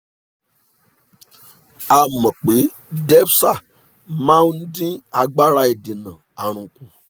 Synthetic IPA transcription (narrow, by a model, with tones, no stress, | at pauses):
a˨mɔ̃˨k͡pe˨˦ | dɛ˦bsa˦˨ | mã˦n˦n̩˦dĩ˦a˧ɡ͡ba˦ɾa˧˦e˨di˨nã˨a˨ɾ̃ũ˨kũ˧